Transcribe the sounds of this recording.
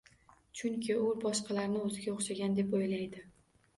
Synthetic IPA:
t͡ʃʰʊŋkʲʰɪʊbɒʃqɑlaɾnɪɵzɪɡʲaoχʃaɡʲand̪e̞pojlajd̪ɪ

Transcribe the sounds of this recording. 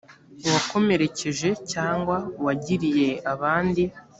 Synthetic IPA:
wako̞me̞ɾe̞ce̞ʒe̞caːŋɡwawaɟiɾije̞aβaːndi

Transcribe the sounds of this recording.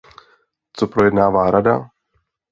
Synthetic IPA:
t͡sopɾojɛdnaːvaːɾada̰

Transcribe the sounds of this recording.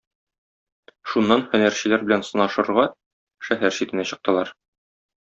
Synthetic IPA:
ʃunːɑnχɵ̆næɾɕɘ̆læɾbɘlænsɤ̆nɑʃɤ̆ɤ̆ɾʁɑ | ʃæɦæɾɕit̪ɘ̆næɕɤ̆q̚t̪ɤ̆lˠɑɾ

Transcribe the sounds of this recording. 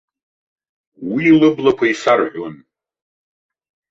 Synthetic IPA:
wiːlɨblakʷʰaisarʕʷon

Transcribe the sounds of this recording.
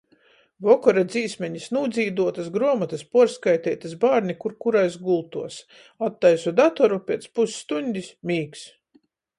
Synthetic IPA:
vɔkɔɾad̪ziːsmʲɛɲisnuːd̪ziːd̪uɔt̪asɡɾuɔmat̪aspuɔɾskajt̪ɛjt̪asbaːɾnʲikuɾkuɾajsɡulˠt̪uɔs | at̪ːajsud̪at̪ɔɾupʲiɛt̪spusːt̪unʲd̪ʲismʲiːks

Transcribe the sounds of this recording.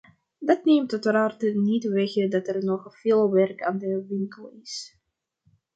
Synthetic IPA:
dɑtneːmtɔtəraːrtənitʋɛɣədɑtɛrnɔχv̥ɪːlˠʋɛrka̰ːndəʋɪŋkəlˠɪs

